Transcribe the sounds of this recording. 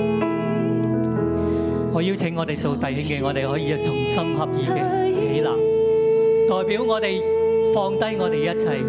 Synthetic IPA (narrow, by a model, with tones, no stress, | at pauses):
ŋɔː˨˧ji˥wt͡sʰɪ˨˥ŋːɔː˨˧t̪e˨jt̪o˧wt̪ɐ˨˧jhɪ˥ŋkɛː˧ŋɔː˨˧t̪e˨jɦɔː˨˥jiː˧jɐ˨˧wt͡sʊ˧ŋsɐ˥mɦɐ˨p̚jiː˨˧kɛː˧e˨˧˥laː˨˩ŋ | t̪ɔː˨jpiː˨˥wŋɔː˨˧t̪e˨jfɔː˧ŋt̪ɐ˥jŋɔː˨˧t̪e˨jɐ˥t̚t͡sʰɐ˧j